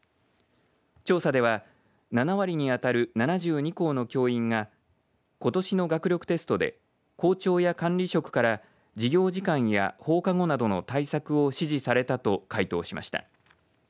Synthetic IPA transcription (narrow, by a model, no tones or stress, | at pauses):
t͡ɕo̞ːsad̪e̞βa | nanaβaɾʲiɲ̟iat̪aɾɯ̟nanaʑɨːɲ̟iko̞ːno̞kʲo̞ːĩŋɡa | ko̞t̪o̞ɕino̞ɡakɯ̟ɾʲo̞kɯ̟̥t̪e̞sɨ̥t̪o̞d̪e̞̰ | ko̞ːt͡ɕo̞ːjakãnɾʲiɕo̞kɯ̟̥kaɾa | d͡ʑiɡʲo̞ːʑikãɰ̃ja̰ho̞ːkaɡo̞nad̪o̞no̞t̪aisakɯ̟o̞ɕiʑisaɾe̞t̪at̪o̞kait̪o̞̰ːɕima̰ɕi̥t̪a̰